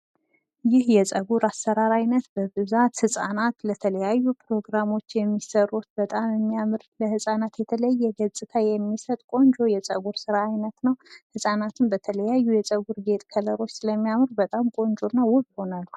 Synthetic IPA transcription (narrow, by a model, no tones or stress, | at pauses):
jɪhjɛt͡sʼəɡuɾasːəɾaɾajnət̪bəbɨzat̪hɨsʼanat̪lət̪ʰələjajːupɾo̞ɡɾamo̞t͡ʃːjɛmːisəɾut̪bət̪ʼamjɛmːijamɨɾləhɨsʼanat̪jɛt̪ʰələjːɛɡəzʼɨt̪ʰajɛmːisət̪ʼkʷʼo̞nd͡ʒʼo̞jɛt͡sʼəɡuɾsɨɾaːjnət̪nəwhɨsʼanat̪ʰɨnbət̪ʰələjajːujɛsʼəɡuɾɡe̞t̪ʼkʰələɾo̞t͡ʃːsɨləmːijamɨɾbət̪ʼamkʼo̞nt͡ʃʼonːawʊβho̞nalːu